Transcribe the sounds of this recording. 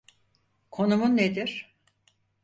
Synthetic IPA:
kʰo̞numunːed̪iɾ̥

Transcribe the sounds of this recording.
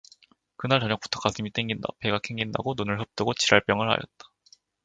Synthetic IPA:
kɯnaɭt͡ɕʌɲjʌkp͈u̥tʰo̥k͈asʰɯmit͈eŋɡinda̰pe̞ɡakʰeŋɡinda̰ɡononɯɭɦɯp̚t͈ɯɡot͡ɕʰiɾaɭp͈jʌŋɯɭha̰jʌ̰t̚t͈ḁ

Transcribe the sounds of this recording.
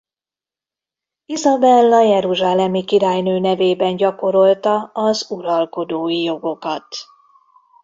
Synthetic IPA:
izɒbɛlːɒjɛɾuʒaːlɛmikiɾaːjnøːnɛveːbɛnɟɒko̞ɾo̞lt̪ɒɒzuɾɒlko̞d̪oːjijo̞ɡo̞kɒt̪

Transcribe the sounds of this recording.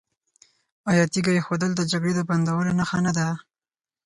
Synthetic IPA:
ajɑt̪iɡajexod̪əld̪əd͡ʒaɡɽed̪əband̪awəlonaxanad̪a

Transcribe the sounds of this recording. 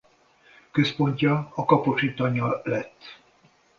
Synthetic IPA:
køspo̞ɲcɒɒkɒpot͡ʃit̪ːɒɲːɒlɛt̪ː

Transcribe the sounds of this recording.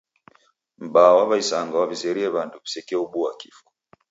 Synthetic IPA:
m̩bawaβaisaŋɡawavizɛɾiɛβanduku̥sɛkɛuɓuakifɔ̥

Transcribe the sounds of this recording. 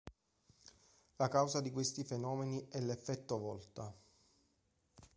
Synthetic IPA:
lakawzad̪ikwest̪ifenɔːmeniɛlefːɛt̪ːovɔlt̪a

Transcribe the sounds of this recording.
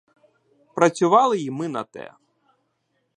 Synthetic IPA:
pɾɐt͡sʲʊʋɑlˠɪjimɪnɐ̰t̪ɛ̰

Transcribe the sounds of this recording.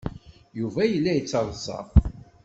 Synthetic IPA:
juvæjəlːæjət͡sːɑðˤzˤɑ̰ˤ

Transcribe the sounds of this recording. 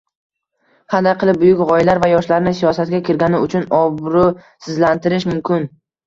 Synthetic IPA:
hand̪aqʰɨlˠɪp̚bʊjʊkʲʁɒjɪlaɾvajɒʃlaɾnɪsijɒsat̪̚ɡʲakʲʰɪɾɡʲanɪʊt͡ʃʰʊnɒbɾʊ | sɪzlant̪ʰɪɾɪʃmʊmkʲʰɪn

